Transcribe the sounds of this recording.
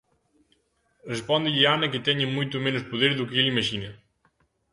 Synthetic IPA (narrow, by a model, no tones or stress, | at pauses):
respɔnd̪ɪʎɪanɐkɪt̪ɛɲɪmujt̪umenʊspuðeɾðukeelimɐʃinɐ